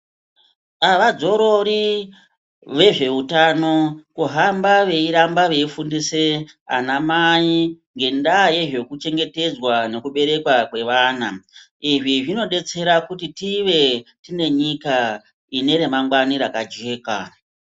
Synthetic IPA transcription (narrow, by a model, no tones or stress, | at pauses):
aʋad͡zo̞ɾo̞ɾi | ʋe̞ʐe̞utano̞kuɦambaʋe̞iɾambaʋe̞ifundisea̰namai | ŋɡe̞ndaje̞ʐe̞kut͡ʃe̞ŋɡe̞te̞d͡zwane̞kuɓe̞ɾe̞kwakwe̞ʋaːna | iʐiʐino̞ɗe̞t͡se̞ɾakutitiʋe̞tine̞ɲika | ine̞ɾe̞maŋɡwaniɾakad͡ʒe̞ːka̰